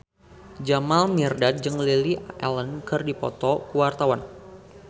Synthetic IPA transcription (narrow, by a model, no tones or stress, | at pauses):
d͡ʒamalmirdat̪̚d͡ʒɨŋliliɛlənkɨrdipɔ̰t̪ɔkuwart̪awan